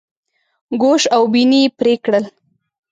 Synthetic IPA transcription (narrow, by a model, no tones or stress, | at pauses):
ɡoʃawbinipɾekɽəl